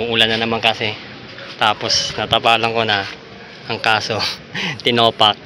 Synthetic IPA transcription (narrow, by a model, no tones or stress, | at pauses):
uʔuːlɐnːɐnɐmaŋkɐsɛ | t̪aːpo̞snɐt̪ɐpaːlɐŋko̞nɐ | ʔɐŋkaːso̞ | t̪ɪnoːpɐk̚